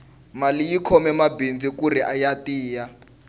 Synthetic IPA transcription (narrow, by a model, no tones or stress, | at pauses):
malijikʰɔmɛmabind͡zikuriʔajatiːja